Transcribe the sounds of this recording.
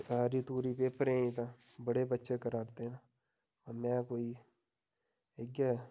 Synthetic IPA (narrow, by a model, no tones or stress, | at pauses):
aːɾit̪uːɾipeːpəɾẽĩt̪aː | bəɽebətːʃekəɾaːɾt̪eɛ̃naː | mɛ̃ːkoːi | eɡɛ